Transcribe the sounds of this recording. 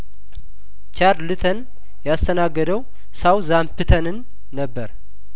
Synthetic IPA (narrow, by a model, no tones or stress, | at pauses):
t͡ʃaɾlɨt̪ʰən | jast̪ʰənaɡːəd̪əw | sawzampɨt̪ʰənɨnː | əbːəɾ